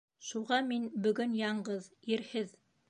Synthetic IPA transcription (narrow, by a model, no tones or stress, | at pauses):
ʃuʁɑminbɵ̆ɡɵnjɑɴɢɤðiɾhɘð